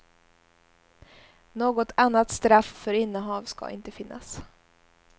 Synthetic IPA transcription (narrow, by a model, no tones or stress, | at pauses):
noːɡɔt̪ʰanːat̪st̪ɾaffœɾɪnːəɦɑːvskɑ̰ːʔɪ̰nt̪əfɪnːʔa̰s